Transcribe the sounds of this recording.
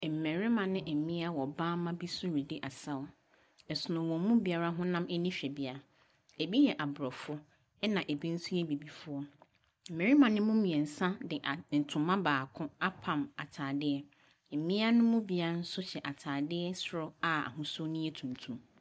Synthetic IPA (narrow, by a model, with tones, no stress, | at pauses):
m̩˨me˨ɾɪ˦mã˨nɪ̃˦ʔe˨mĩ˦a˦wɔ˨bãː˦mã˦bi˦sʊ˦ɾi˨dɪ˦ʔa˨sa˦wʊ˦ | ɛ˨sʊ˨nʊ̃˨wɔ̃˨˦mũ˦bi˨a˨ɾa˦ɦʊ̃˦nã˦mɛ˦nĩ˦ɕᶣɛ˨bi˦a˦ | e˨bi˦jɛ˨ʔa˨bɾɔ˨fʊ˦ | ɛ˦nã˨ʔe˨bẽ˦n̩˦su˦jɛ˦bi˨bi˨fʊ˦ɔ˦ | m̩˨me˨ɾi˦mã˨nɪ̃˦mũ˦mĩ˨ɛ˨n̩˨sã˦dɪ˨ʔa˨n̩˨tʰʊ̃˨mːã˦baː˨kʰʊ̃˦a˦pʰã˨ma˨tʰaː˨dɪ˦ɛ˦˨ | mĩ˦a˦nʊ̃˦mʊ̃˦bi˨a˨˦n̩˦sʊ˦ɕɛ˨ʔa˨tʰaː˨dɪ˦ɛ˦sʊ˦ɾʊ˦a˨a̰˨hʊ̃˦sʊ˦nʊ̃˦jɛ˦tʰũ˨ntʰũ˨m